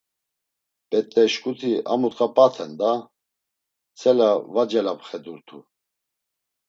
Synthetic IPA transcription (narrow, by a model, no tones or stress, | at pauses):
pʼɛt̪ʼːɛʃkʼut̪ʰiamut̪ʼqʼapʼat̪ʰɛnd̪a | t͡sʰʼɛlavad͡ʒɛlapχɛd̪uɾt̪ʰu